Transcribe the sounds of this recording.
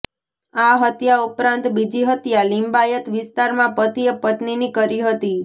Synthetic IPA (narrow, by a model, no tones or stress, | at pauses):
aɦət̪jaupɾãnt̪bid͡ʒiɦət̪jalimbajət̪ʋɪst̪aɾmãpət̪ijəpət̪ninikəɾiɦət̪i